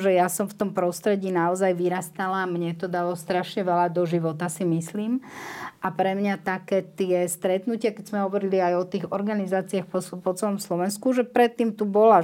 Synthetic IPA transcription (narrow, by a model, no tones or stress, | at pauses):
ʒɛjasɔmft̪ɔmpɾɔst̪ɾɛɟiːnaɔzajʋiɾast̪alamɲɛt̪ɔd̪alɔst̪ɾaʃɲɛʋɛlad̪ɔʒiʋɔt̪asimisliːmʔapɾɛmɲat̪akɛːt̪ɪɛst̪ɾɛt̪nucɪakɛzmɛɦɔʋɔɾiliajɔt̪iːɣɔɾɡanizaːt͡siaxpɔpɔt͡sɛlɔmslɔʋɛnskuʒɛpɾɛt̪ːiːmt̪ubɔla